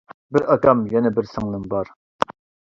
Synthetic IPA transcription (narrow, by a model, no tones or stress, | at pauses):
bɪɾɑkɑmjɛnɛbɪɾsɨŋlˠɨmbɑɾ